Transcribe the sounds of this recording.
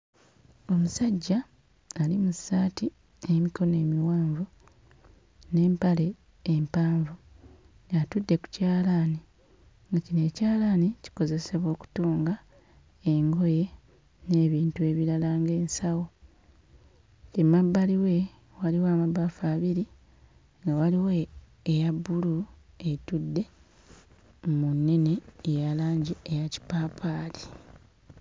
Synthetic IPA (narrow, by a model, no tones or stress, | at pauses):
o̞musaɟːaː | limusaːti | emiko̞ne̞ːmiwaːɱvu | ne̞ːmpale̞ː | mpaːɱvu | jatudːe̞ku̥caːlaːni | ŋɡacine̞ːcaːlaːnici̥ko̞ze̞se̞βwo̞ːku̥toːŋɡa | e̞ŋɡo̞je̞ | ne̞ːβiːntue̞ːβiɾalaːŋɡe̞ːnsawo̞ | cemabːaliwe̞ | waliwaːmabːafaːβiɾi | ŋɡawaliweː | jabːulu | e̞tudːe̞ | munːe̞ne̞ːjalaːɲɟiejaci̥paːpʰaːli̥